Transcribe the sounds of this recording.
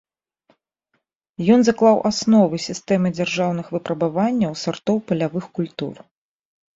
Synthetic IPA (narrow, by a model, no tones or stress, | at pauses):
jɔnzaklˠawʔasnɔvɨsʲist̪ɛmɨd͡zʲarʐawn̪ɨxvɨpɾɐbavanʲːɐwsart̪ɔwpɐlʲavɨxkulʲt̪ṵr